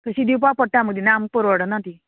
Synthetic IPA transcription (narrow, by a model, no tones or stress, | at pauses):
t̪əsid̪ip̬apəʈːãməɡd̪inampəɾʋəɽənat̪i